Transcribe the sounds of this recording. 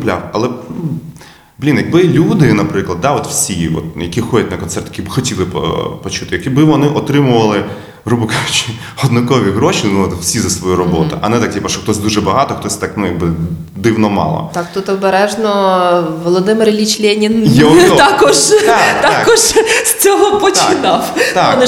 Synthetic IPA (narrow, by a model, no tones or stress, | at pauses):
plʲa̰wɐlˠɛ | b̥lʲinjɐɡ̚bɪlʲud̪ɪnɐpɾɪklˠɐd̪̚d̪aɔt̪w̥sʲiʋɔ̰t̪jɐkʲixɔdʲɛt̚ʲnɐkɔnt̪sɛrt̪jkʲibɪxɔtʲilˠɪ̰pɔt͡ʃut̪ɪjɐkɛbɪʋɔnɪʔɔt̪ɾɪmʊʋɐlˠɪ | rubɪkaʒʊt͡ʃɪ | ɔd̪nʊkɔʋʲiɣɾoʃinuɔt̪wsʲizɐsʋɔjuɾɔbɔt̪ʊ̰ʔɐ̰nɛt̪ak̚ʲipɐʃɔxt̪ɔsʲd̪uʒɛbɐɦɑt̪ɔxt̪ɔsʲt̪ɑknujɐɡ̚bɪ | d̪ɪwnɔmɑ̰lˠɔ̰t̪akt̪ut̪ɔbɛɾɛʒnɔʋɔlˠɔd̪ɪmɪrlʲit͡ʃlʲenʲinjɛt̪akɔʒt̪akt̪aakɔʒst͡sʲɔɦɔpɔt͡ʃɪnɑft̪am